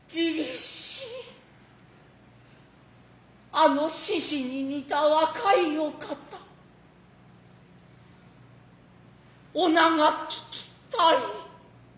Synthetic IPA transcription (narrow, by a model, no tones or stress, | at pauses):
piɾesi | ɐnosisininit̪awakʰɐjokʰat̪a | onaŋakʰi̥ki̥t̪aj